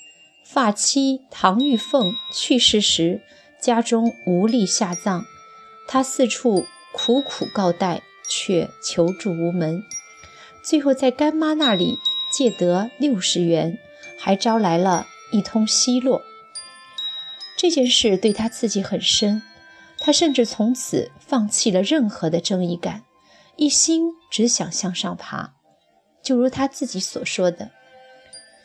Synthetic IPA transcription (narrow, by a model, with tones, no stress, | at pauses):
fa˥˩t͡ɕʰi˥t̪ʰɑ˧˥ŋy˥˧fɤ˥˧˩ŋt͡ɕʰy˥˧ʂɻ̩˥˩ʂɻ̩˧˥ | t͡ɕja˥ʈ͡ʂʊ˥ŋu˧˥li˥˧ɕja˥˧t͡sɑ˥˩ŋ | t̪ʰa˥sɹ̩˥˧ʈ͡ʂʰu˥˩ | kʰu˧˥kʰṵ˨˩kɑ˥˧ʊt̪a˥˧ɪ | t͡ɕʰɥɛ˥˩t͡ɕʰjo˧˥ʊʈ͡ʂu˥˩u˧˥mə˧˥n | t͡swe˥˧ɪxo˥˧ʊt͡sa˥˩ɪka˥nma˥na˥˩lḭ˨˩t͡ɕjɛ˥˩t̪ɤ˧˥ljo˥˩ʊʂɻ̩˧˥ɥɛ˧˥n | xa˧˥ɪʈ͡ʂɑ˥ʊla˧˥ɪlə˧ | i˥˩t̪ʰʊ˥ŋɕi˥lwɔ˥˩ | ʈ͡ʂɤ˥˧t͡ɕjɛ˥˧nʂɻ̩˥˧t̪we˥˩ɪt̪ʰa˥t͡sʰɹ̩˥˩t͡ɕi˧˥xə˨˩nʂə˥n | t̪ʰa˥ʂə˥˧nʈ͡ʂɻ̩˥˩t͡sʰʊ˧˥ŋt͡sʰɹ̩˨˩fɑ˥˧ŋt͡ɕʰi˥˩lə˩ɻə˥˩nxɤ˧˥d̪ə˧ʈ͡ʂɤ˥˧ŋi˥˩ka˨˩˦n | i˥˩ɕi˥nʈ͡ʂɻ̩˧˥ɕjɑ˨˩ŋɕjɑ˥˧ŋʂɑ˥˩ŋpʰa̰˧˥ | t͡ɕjo˥˩ʊɻu˧˥t̪ʰa˥t͡sɹ̩˥˩t͡ɕi˧˥swɔ˨˩ʂwɔ˥d̪ə˨